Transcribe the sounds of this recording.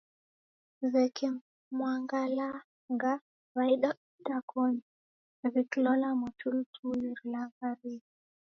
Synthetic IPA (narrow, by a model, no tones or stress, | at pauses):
zɛkɛ | mwaŋɡala | ŋɡa | βaiɗautakʰɔɲi | βiklɔlamɔt͡ʃultʰujiɾlaɡaɾi